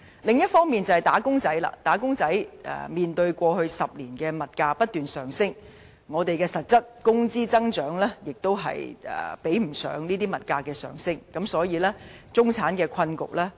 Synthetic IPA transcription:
lɪ˨ŋjɐ˥t̚fɔː˥ŋmiː˨nt͡sɐ˨whɐ˨jt̪aː˨˥kʊ˥ŋt͡sɐ˨˥jla̰ː˧˩t̪aː˨˥kʊ˥ŋt͡sɐ˨˥jʔɛ̰ː˨miː˨nt̪ɵ˧ɥkʷɔː˧hɵ˧ɥsɐ˨p̚liː˨˩nkɛː˧mɐ˨t̚kaː˧pɐ˥t̚t̪yː˨nsœː˨˩ŋsɪ˥ŋ | ŋɔː˨˧t̪e˨jkɛː˧sɐ˨t̚t͡sɐ˥t̚kʊ˥ŋt͡siː˥t͡sɐ˥ŋt͡ʃœː˨˥ŋlɛː˥jɪ˨k̚t̪o˥wɦɐ̰˨jɛ̰ː˨pe˨˥jm̩˨˩sœ̰ː˨˥ŋniː˥t̪iː˥mɐ˨t̚kaː˧kɛː˧sœ̰ː˨˩ŋsɪ˥ŋkɐ˨˥msɔː˨˥jiː˨˧lɛː˥t͡sʊ˥ŋt͡sʰaː˨˥nkɛː˧kʷʰɐ˧nkʊ̰˨k̚lɛː˥

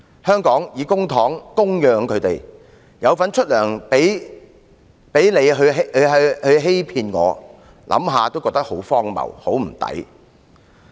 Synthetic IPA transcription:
hœː˥ŋkɔː˨˥ŋjiː˨˧kʊ˥ŋt̪ʰɔː˨˥ŋkʊ˥ŋjœː˧˥ŋkʰɵ˨˧ɥt̪e˨j | jɐ˨˧wfɐ˨˥nt͡ʃʰɵ˥t̚lœː˨˩ŋpe˨˥j | pe˨˥jne˨˧jɦɵ˧ɥɦɦɐ˨˧hɵ˧ɥɦe˥jpʰiː˧nŋɔ̰ː˨˧ | lʔɐ̰˨˥mɦaː˨˧t̪o˥wkɔː˧kt̪ɐ˥k̚ho˨˥wfɔː˥ŋmɐ̰˨˩who˨˥wm̩˨˩t̪ɐ̰˨˥j

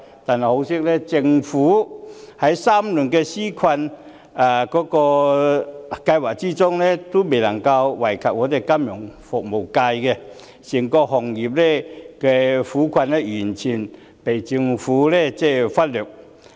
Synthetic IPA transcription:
t̪aː˨˩nha˨˩jho˨˧˥wsi˥k̚lɛ˥t͡sɪ˧ŋfuː˨˦ha˨˥jsaː˥mlu˨˩nkɛ˧si˥kʰwa˧n | a˨˩kɔː˨˥kɔː˧ | ka˧jwaː˨˩k̚t͡ɕi˥t͡sʊ˥ŋlɛ˥t̪o˥me˨˩lɐ˨˩ŋka˧wwa˨˩jkʰa˨p̚ŋɔː˨˥t̪e˨˩jka˥mjʊ˨˩ŋfʊ˨˩k̚mo˨˩wka˧jkɛ˧ | si˨˩ŋkɔ˧ɦɔ˨˩ŋji˨˩p̚lɛ˥kɛ˧fuː˨˦˥kʰwa˧nlɛ˧jy˨˩nt͡ɕʰi˨˩n | pe˨˩jt͡sɪ˧ŋfuː˨˦lɛ˥t͡sɛ˥˧fa˦˥t̚lø˨˩k̚

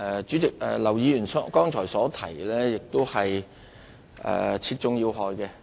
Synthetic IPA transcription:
ʔɛː˨˧t͡ʃyː˨˥t͡sɪ˨k̚ɛ̰ː˨lɐ˨˩wjiː˨˧jyː˨˩nsɔ˥kɔː˥ŋt͡ʃʰɔː˨˩jsɔː˨˥t̪ʰɐ˨˩jlɛ˥jɪ˨k̚t̪o˥whɐ˨j | ʔɛ̰ː˨˩t͡sʰiː˧t̚t͡sʊ˨ŋjiː˧wɦɔː˨˧jkɛː˧

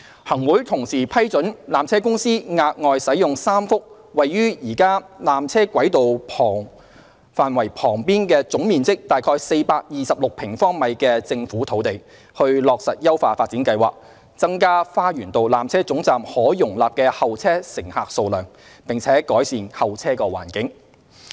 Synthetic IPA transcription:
hɐ˨˩ŋwuː˨˥jt̪ʰʊ˨˩ŋsiː˨˩pʰɐ˥jt͡sɵ˨˥nlaː˨mt͡sʰɛː˥kʊ˥ŋsiː˥ŋaː˧k̚ŋɔː˨jsɐ˨˥jʊ˨ŋsaː˥mfʊ˥k̚ | wɐ˨jːyː˥jiː˨˩kaː˥laː˨mt͡sʰɛː˥kwɐ˨˥jt̪o˨wpʰɔː˨˩ŋ | faː˨nwɐ˨˩jpʰɔː˨˩ŋpiː˥nkɛː˧t͡sʊ˨˥ŋmiː˨nt͡sɪ˥k̚t̪aː˨˩jkʰɔː˧jse˧jpaː˧k̚jiː˨sɐ˨p̚lʊ˨k̚pʰɪ˨˩ŋfɔː˥ŋmɐ˨˧jkɛː˧t͡sɪ˧ŋfuː˨˥t̪ʰo˨˥wt̪e˨j | hɵ˧ɥlɔː˨k̚sɐ˨t̚jɐ˥wfaː˧faː˧t̚t͡siː˨˥nkɐ˧jwa̰ː˨k̚ | t͡sɐ˥ŋkaː˥faː˥jyː˨˩nt̪o˨˧wlaː˨mt͡sʰɛː˥t͡sʊ˨˥ŋt͡saː˨mhɔː˨˥jʊ˨˩ŋlaː˨p̚kɛː˧hɐ˨wt͡sʰɛː˥sɪ˨˩ŋhaː˨k̚so˧wlœː˨˩ŋ | pɪ˨ŋt͡sʰɛː˨˥kɔː˨˥jsiː˨nhɐ˨wt͡sʰɛː˥kɔː˧wa̰ː˨˩nkɪ˨˥ŋ

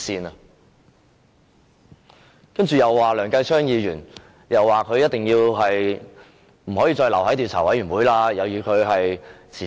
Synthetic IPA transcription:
siː˧nɐ˧ | kɐ˥nt͡ʃyː˨jɐ˨wːaː˨˩lœː˨˩ŋkɐ˧jt͡ʃʰœː˥ŋjiː˧jyː˨˩n | jɐ˨wːaː˨˩kʰɵ˨˧ɥjɐ˥t̚t̪ɪ˨˩ŋjiː˧wɦɐ˨j | m̩˨˩ɦɔː˨˥jiː˧t͡ʃɔː˧jlɐ˨˩whɐ˨˥t̪iː˨wt͡sʰaː˨˩wɐ˨˥jɥyː˨˩nwuː˨˥jlaː˧jɐ˨˧wjyː˨˩kʰɵ˨˧ɥɦɐ˨jt͡sʰiː˨˩

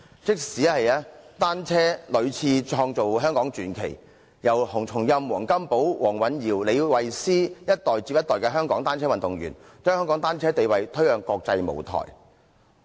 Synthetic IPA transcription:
t͡sɪ˥k̚siː˨˥hɐ˨jaː˥t̪aː˥nt͡sʰɛː˥lɵ˨˧ɥt͡sʰiː˧t͡ʃʰɔː˧ŋt͡so˨wɦœː˥ŋkɔː˨˥ŋt͡ʃyː˨˥nkʰḛ˨˩j | jɐ˨˩whʊ˨˩ŋt͡sʰʊ˨˩ŋjɐ˧mwɔː˨˩ŋkɐ˥mpo˨˥wwɔː˨˩ŋwɐ˨˥njiː˨˩wle˨˧jwɐ˨jsiː˥jɐ˥t̚t̪ɔː˨˩jt͡siː˧p̚jɐ˥t̪ɔː˨jkɛː˧ɦœː˥ŋkɔː˨˥ŋt̪aː˥nt͡sʰɛː˥wɐ˨nt̪ʊ˨ŋɥy̰ː˨˩nt͡ʃœː˥ŋhœː˥ŋkɔː˨˥ŋt̪aː˥nt͡sʰɛː˥t̪e˨jwɐ˨jt̪ʰɵ˥ɥœː˨ŋkɔː˧k̚t͡sɐ˧jmo̰˨˩wt̪ʰɔ̰˨˩j

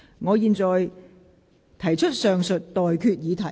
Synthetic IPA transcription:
ŋɔː˨˧jiː˨˧nt͡sɔː˨j | t̪ʰɐ˨˩jt͡ʃʰɵ˥t̚sœː˨ŋsɵ˨t̚t̪ɔː˨jkʰyː˧t̚jiː˨˧t̪ʰɐ˨˩

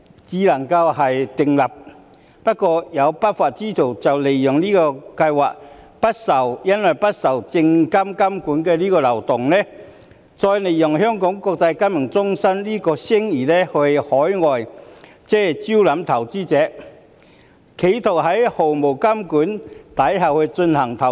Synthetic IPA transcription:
t͡siː˨˥lɐ˨˩ŋkɐ˧wɦɐ˨jt̪ɪ˨ŋlɐ˨˩p̚ | pɐ˥t̚kːɔː˧jɐ˨˧wpɐ˥t̚faː˨t̚t͡siː˥t̪ʰo˨˩wt͡sɐ˨wle˨˩jjʊ˨˩ŋliː˥kɔː˧kɐ˧jwaː˨k̚ | pɐ˥t̚sɐ˨˩wjɐ˥nwɐ˨˩jpɐ˥t̚sɐ˨˩wt͡sɪ˧ŋkɐ˥mkɐ˥mkuː˨˥nkɛː˧liː˥kɔː˧lɐ˨˩wt̪ʊ˨ŋnɛ˥ | t͡sɔː˧jle˨˩jjʊ˨˩ŋhœː˥ŋkɔː˨˥ŋkɔː˧k̚t͡sɐ˧jka˥mɪ˨˩ŋt͡sʊ˥ŋsɐ˥nliː˥kɔː˧sɪ˥ŋiː˨˩nɛ˥hɵ˧ɥhɔː˨˥jŋɔː˨j | t͡sɛː˥˨t͡si˥wlɐ˨˥mt̪ʰɐ˨˩wt͡siː˥t͡sɛː˨˦˥ | kʰe˨˥jt̪ʰo˨˩hɐ˨˦˥jho˨˩wmo˨˩wkɐ˥mkuː˨˥nt̪ɐ˨˥jɦɐ˨˩whɵ˧t͡sɵ˧nhɐ˨˩ŋt̪ʰɐ˨˩

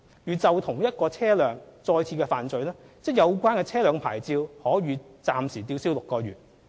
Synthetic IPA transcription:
jyː˨t͡sɐ˨wt̪ʰʊ˨˩ŋjɐ˥t̚kɔː˧t͡sʰɛː˥lœː˨ŋt͡sɔː˧jt͡sʰiː˧kɛː˧faː˨nt͡sɵ˨ɥlɛː˥ | t͡sɛː˥˩jɐ˨˧wkʷaː˥nkɛː˧t͡sʰɛː˥lœː˨˧ŋpʰaː˨˩jt͡siː˧whɔː˨˥ɥyː˨˧t͡saː˨msiː˨˩t̪iː˧wsiː˥wlʊ˨kːɔː˧ɥyː˨t̚

